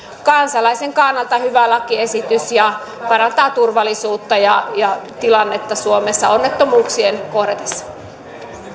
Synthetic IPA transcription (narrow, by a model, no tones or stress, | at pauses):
kɑnsɑlɑiseŋkɑnːɑlt̪ɑhyʋælɑkiesit̪ysjɑ | pɑɾɑnt̪ɑːt̪urʋɑlˑisuːt̪ːɑjɑjɑt̪ilɑnːet̪ːɑsuomesːɑonːet̪ːomuːksienkohret̪e̥sːɑ̥